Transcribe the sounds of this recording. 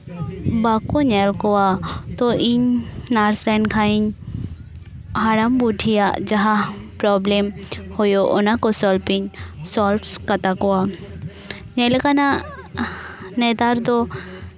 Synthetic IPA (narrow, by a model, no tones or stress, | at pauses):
baːkoɲɛlkoat̪oʔiɲnaːɾsɾɛnkʰaiɲ | ɦaːɾambuʈʰija̰d͡ʒɐɦapɾɔːblemhʊjoʔʊnãkosɔːlpɪɲsɔːlfskɐt̪akoa | ɲɛlkana | ned̪aːɾd̪o